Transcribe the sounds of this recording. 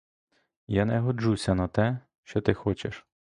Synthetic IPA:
janɛɦɔd͡ʒusʲɐnɐt̪ɛ | ʃt͡ʃɔt̪ɪxɔt͡ʃeʃ

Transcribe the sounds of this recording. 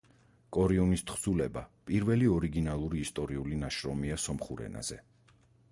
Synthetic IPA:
kʼɔɾiɔnist̪χzulɛbapʼiɾvɛliɔɾiɡinalˠuɾiːst̪ʼɔɾiulinaʃɾɔmiasɔmχuɾɛ̰na̰z̥ɛ

